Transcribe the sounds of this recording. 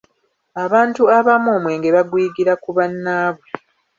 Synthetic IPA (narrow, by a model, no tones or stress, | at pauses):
aβaːntuaβamoːmwe̞ːŋɡeβaɡwiːɡiɾakuβanːaːβwe̞